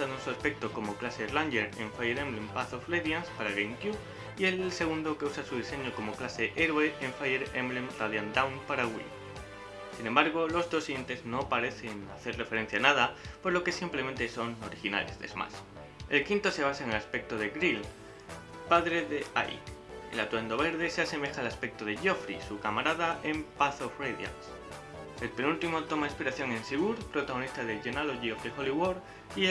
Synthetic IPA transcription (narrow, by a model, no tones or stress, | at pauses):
anusuaspe̞k̚t̪o̞ko̞mo̞klase̞ranɟeɾeɱfajeɾemlempaθofreðjanspaɾaɣejŋkju | ie̞lse̞ɣ̞und̪o̞ke̞usasuð̞ise̞ɲo̞ko̞mo̞klase̞ʔe̞ɾwe̞ʔeɱfajeɾemlemraðjand̪awnpaɾaɣwḭ | sinẽ̞mbaɾɣo̞lo̞zðo̞sije̞nt̪e̞zno̞paɾe̞θe̞naθe̞ɾre̞feɾe̞n̟θjanaðapo̞zlo̞ke̞simplement̪e̞so̞noɾixina̰le̞̰zðezma̰s | e̞lkint̪o̞se̞β̞asaeŋe̞laspe̞k̚t̪o̞ðeɣɾil | paðɾe̞ðea̰jk | ḛlat̪wend̪o̞βe̞ɾðe̞sease̞me̞xaelaspe̞k̚t̪o̞ðe̞ʝo̞fɾisukamaɾaðaʔe̞mpaθofrejðja̰s | e̞lpe̞nult̪imo̞t̪o̞mainspiɾaθjo̞ŋe̞nsiβuɾpɾo̞t̪aɣo̞nist̪aðeʝenaloʝiofdexoliwoɾ | i